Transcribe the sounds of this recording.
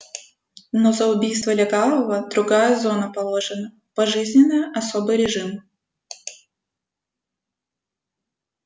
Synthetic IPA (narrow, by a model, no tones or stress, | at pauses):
nozəʊbʲijst̪vəlʲɪɡalˠəvəd̪ɾʊɡajəzo̞nəpɐlˠo̞ʐɨnə | pɐʐɨzʲnʲɪnːɨjəʔɐsobɨjɾʲɪʐɨm